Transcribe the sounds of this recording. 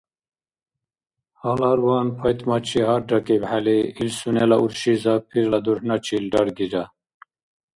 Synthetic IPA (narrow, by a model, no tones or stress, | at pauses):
halaɾwɑːnpʰɐjt̪mɐt͡ɕʰiɦaɾɖɐkibhaliilsunelɐuɾɕizapʰiɾlad̪uɾhnat͡ɕʰilɖɐɾɡid͡ʑa